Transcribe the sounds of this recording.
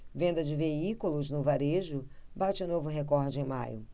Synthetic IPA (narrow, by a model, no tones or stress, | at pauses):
vẽnd̪ɐd͡ʒɪveikulʊznʊvaɾeʒʊbat͡ʃɪʊnovʊɦekɔɾd͡ʒɪẽj̃ma̰jʊ̰